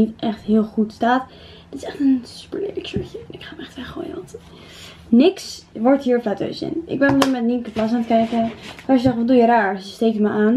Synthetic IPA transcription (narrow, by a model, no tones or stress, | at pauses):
itɛχtɦɪːlˠχutstaːt | d̥ɪtɪ̥sɛχtənsy̥pəɹlḛdəkt͡ʃøɹçənɪkχaːmɛχtʋɛχo̰ːjə̰ʋɑnt | nɪksʋɔɹtɦiːɹflɛto̰wsɪ̰nʔɪ̰ɡ̚bɛnɔmdəɹmɛtniŋkəplɑs̬aːntəkɛjkəʋaːsəzɛχtʋɑdujəraːɹəstejk̚tməʔaːn